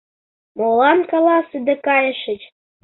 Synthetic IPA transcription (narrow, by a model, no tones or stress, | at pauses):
molɑnkɑlɑsəd̪ekɑjə̆ʃə̆t͡ɕ